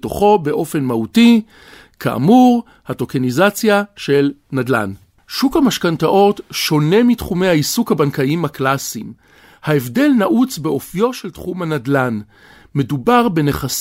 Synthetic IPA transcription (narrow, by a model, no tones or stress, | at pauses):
to̰χo̞be̞ʔo̞fe̞nmahuti | kʰa̰ʔa̰muʁ | hato̞kenizat͡sjaʃe̞lnadla̰n | ʃukhamaʃkantaʔo̞tʃo̞ne̞mitχume̞jhaisukhabankaimhaklasim | haevde̞lnaʔut͡sbeo̞fjo̞ʃeltχumhanadlan | mːe̞dubaʁbe̞ne̞χas